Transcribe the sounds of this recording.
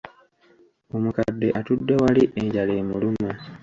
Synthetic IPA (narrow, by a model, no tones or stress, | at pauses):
omukadːeʔatudːe̞waliʔeɲɟaleːmuluma